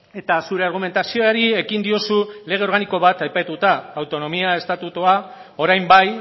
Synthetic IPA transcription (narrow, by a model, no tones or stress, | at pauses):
e̞t̪asuɾe̞aɾɣ̞ume̞nt̪asio̞aɾie̞kind̪io̞sule̞ɣ̞e̞o̞ɾɣaniko̞βat̪ajpat̪ut̪aːwt̪o̞no̞miae̞st̪at̪ut̪ua | o̞ɾajmbaj